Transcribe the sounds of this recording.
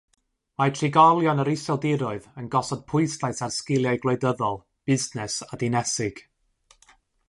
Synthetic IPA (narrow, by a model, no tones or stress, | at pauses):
matʰrɪɡɔlˠjɔnəɾɪsɔlˠdɪɾʊɨðənɡɔsɔd̥̚pʰʊɨstaɨsarskɪlˠjajɡlˠedəðɔlˠ | b̥ɪznɛsadɪnɛsɪɡ̥